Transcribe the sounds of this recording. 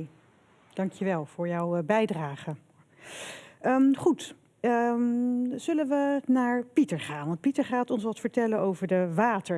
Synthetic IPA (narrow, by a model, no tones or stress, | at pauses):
d̥ɑŋkjəʋɛlˠv̥ʊːɹjɔwbɛjdraːχə | əχut | ə | z̥ɵlənʋənaːɹpitəɹχaːnʋɑnt̚pitəɹχaːtɔnsʋɑtfəɹtɛlənowvəɹdəʋaːtə